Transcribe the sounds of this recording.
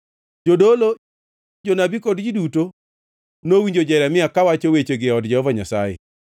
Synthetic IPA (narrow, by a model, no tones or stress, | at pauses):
d͡ʒodolo | d͡ʒonabikodd͡ʒiduto | nowiɲd͡ʒod͡ʒɛɾamɪakawat͡ʃowet͡ʃoɡɪɔdd͡ʒɛhɔvaɲasajɛ̰